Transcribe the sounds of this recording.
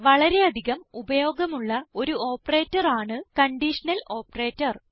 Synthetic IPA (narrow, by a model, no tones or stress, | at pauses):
ʋɐɭɐɾe̞ɐd̪ʱiɣɐmubɐjo̞ːɡɐmuɭːɐo̞ɾuo̞ːpːɐre̞ːtːɐraːɳɨkɐɳɖiʂɐnɐlo̞ːpːɐre̞ːtːɐr